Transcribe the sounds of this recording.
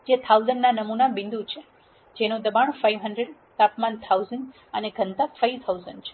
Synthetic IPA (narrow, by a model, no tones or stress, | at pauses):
d͡ʒet̪ʰawzəɳɖnanəmunabɪ̃nd̪ut͡ʃʰe | d͡ʒenũd̪əbaɳfajʋɦəɳɖɾeɖ | t̪apmant̪ʰauzəɳɖ | əneɡʱənt̪afajʋt̪ʰawzəɳɖt͡ʃʰe̥